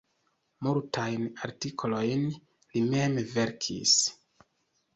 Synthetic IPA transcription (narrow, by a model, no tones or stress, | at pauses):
multʰajnaɾtikʰolo̞jn | lime̞mve̞ɾkʰḭs